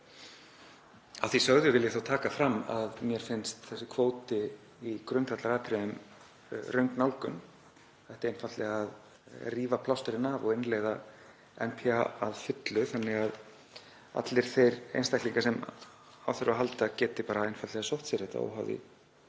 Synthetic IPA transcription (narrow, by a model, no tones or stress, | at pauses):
awθisœɣðʏvɪljɛθawt̪ʰaːkafɾamːa̰ðmjɛɾ̥fɪnst̪θɛsːɪkʰvoːwt̪ɪ | ikɾʏnt̪at̪laɾaːp̪ʰɾʏm | rœɥŋknawlkʏm | θɛht̪ɪɾejnfat̪lɛɣað | riːvapʰlawst̪ʏɾɪnavɔ̰ɣɪnːleːjða | ɛnpʰiaaðfɪt̪lʏθanːɪɣað | a̰t̪lɪɾ̥θejɾḛjnst̪ajkliŋkasɛm | a̰wθœɾaɦalt̪acɛːt̪ɪpaːɾaejnfat̪lɛɣasowht̪sɛɾ̥hɛt̪a̰o̰wɦa̰wðɪ̰